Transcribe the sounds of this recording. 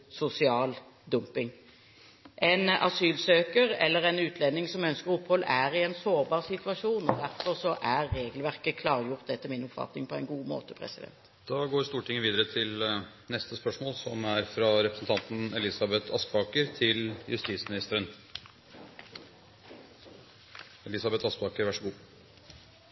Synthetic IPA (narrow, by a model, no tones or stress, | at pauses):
sʊsɪɑːl | d̪ʊmpɪŋ | ʔɛɪnɑ̰syːlsøːkəʁɛ̰lːəʁɛnʉːt̪ʰlɛnːɪŋsɔmœnskəɾʊphɔlæʁɪɛnsoːʁbɑːʁsɪt̪ʉʋɑʂuːnɔd̪æʁfɔʁsɔʔæʁːeːɡlʋæʁkəkʰlɑːʁjʊʁt̪̚d̪ɛt̪ːəmɪnʊpfɑ̰t̪nɪŋpʰɔæɪnɡuːmo̰ːt̪əpʰʁɛ̰sɪd̪ɛ̰nt̪ | d̪̥ɑɡoːɾst̪uːʈʰɪŋːəʋiːd̪əɾət̪ʰɪl | nɛst̪əspœʂmoːlsɔmæɾfɾɑɾɛpɾəsn̩t̪ʰɑnt̪n̩ɛlɪsɑbɛt̪ʰɑskbɑːkəɾt̪ʰɪljʉst̪iːt̪smɪnɪst̪əɾən | ɛlɪsɑbɛt̪ʰɑskbɑːkəɾʋæʂəɡuː